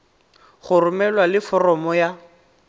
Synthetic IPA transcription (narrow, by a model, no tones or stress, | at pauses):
χʊrʊmɛlwalɪfɔrɔmɔja